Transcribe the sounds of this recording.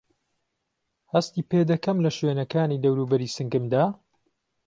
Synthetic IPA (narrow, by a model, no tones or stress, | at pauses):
hɐst̪iːped̪ɐkɐmlɐʃweːnɐkaːniːd̪ɐwɾuːbɐɾiːsɨŋɡɨmd̪aː